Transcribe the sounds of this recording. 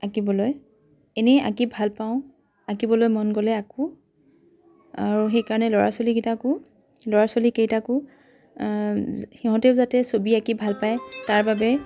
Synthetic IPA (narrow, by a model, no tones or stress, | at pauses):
akibɔloj | ɛnɛa̰kibʱalpaʊ̃ | akibɔlojmɔnɡɔlɛakʊ̃ | aɹuxejkaɹɔnɛlɔɹa̰soliɡitakʊ | lɔɹasolikejtakʊ | hiɦɔ̃tɛʊzatɛsobiakibʱalpajtaɹbabɛ